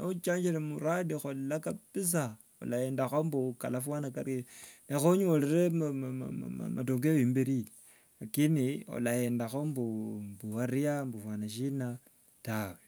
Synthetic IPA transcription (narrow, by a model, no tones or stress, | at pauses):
naut͡ʃaːɲd͡ʒiɾemuɾadixolakapis̬a | o̰lajendaxombukalafwanakaɾenexoɲoleɾem̰ | matoŋɡeoimbeɾi | lakinio̰lajendaxombumbuhaɾiambufwanaʃina | tawe